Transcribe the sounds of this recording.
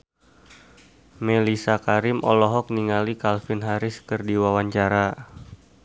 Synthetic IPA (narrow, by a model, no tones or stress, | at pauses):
melisakaɾɪmʔɔ̰lɔɦɔk̚niŋalikalfɪnɦaɾɪskərdiwawaɲt͡ʃaɾa